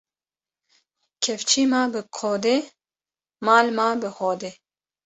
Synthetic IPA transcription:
kʰɛft͡ʃʰiːmaːbɨkʰoːd̪eː | maːlmaːbɨhoːd̪eː

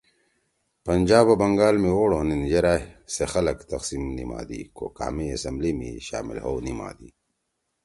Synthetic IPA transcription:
pɐnd͡ʑaːbɐbɐŋɡaːlmiwoːɽonind͡ʑeɾaːsexɐlɐkt̪ɐqsimnima̰ːd̪ḭko̰ka̰ːmiɐsɐmblimḭɕa̰ːmḭlho̰wnima̰ːd̪iː

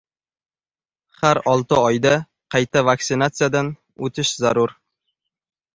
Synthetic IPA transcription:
χaɾɒlˠt̪ɪɒjd̪a | qʰɑjt̪ʰavaksɪnat̪sɨjad̪an | ɵt̪ʰɪʃzaɾʊɾ

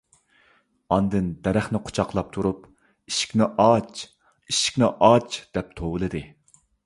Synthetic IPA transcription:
ɑnd̪ɨnd̪ɛɾæχnɪqʰo̥t͡ʃʰɑqlˠɑp̚t̪ʰuɾup | iʃi̥kʲnɪʔɑt͡ʃ | iʃi̥kʲnɪʔɑt͡ʃd̪̥ɛp̚t̪ʰowɨlˠɨd̪ɨ

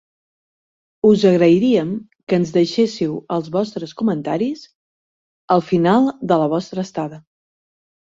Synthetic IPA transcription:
uzəɣɾəiɾiəm | kəːnzðəʃesiwəlˠzβɔst̪ɾəskumənt̪aɾis | əlˠfinalˠd̪ələβ̞ɔst̪ɾəːst̪aðə

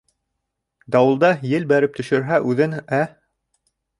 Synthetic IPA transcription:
d̪ɑwɤ̆lˠd̪ɑjɘlbæɾɘp̚t̪ɵ̆ʃɵ̆ɾɦæʔʉðɘnæ

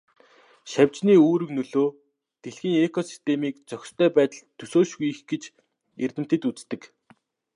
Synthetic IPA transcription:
ʃawʲt͡ɕniːoːɾɵ̆knɵɮoː | t̪eɮxĭːŋekʰɔsi̥st̪ʰemiːk̚t͡sœxʲst̪ʰœːpæːt̪ə̆ɮt̪ʰːɵsoːʃɣujixɡet͡ɕ | ert̪ɘ̆m̥t̪ĕt̪ut͡st̪ɘ̆k

